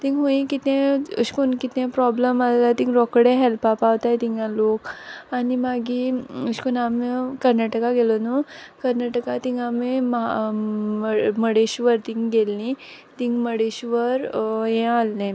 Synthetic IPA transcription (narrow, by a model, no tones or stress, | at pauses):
t̪ĩŋɡɦũĩkit̪ẽəɕkunkit̪ẽpɾɔbləmalat̪ĩŋɡɾɔkɽẽɦelpapaʋt̪ajt̪iŋɡjãlokanimaɡiəɕkunamikəɾnaʈəkaɡelɔnukəɾnaʈəkat̪ĩŋɡamem | məɽeɕʋəɾt̪ĩŋɡɡelːĩ | t̪ĩŋɡməɽeɕʋəɾjɛ̃alːẽ